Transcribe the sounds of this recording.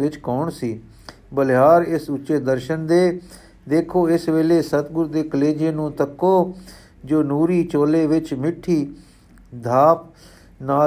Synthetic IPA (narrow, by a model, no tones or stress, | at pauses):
ɪt͡ʃkɔːɳsiː | bəlɦaːɾɪsʊt͡ʃːeːd̪əɾʃənd̪eː | d̪eːkʰoːɪsʋeːleːsət̪ɡʊɾd̪eːkəleːd͡ʒeːnũːt̪əkːoː | d͡ʒoːnuːɾiːt͡ʃoːleːʋɪt͡ʃmɪʈʰːiː | d̪ʱaːp̚ | naː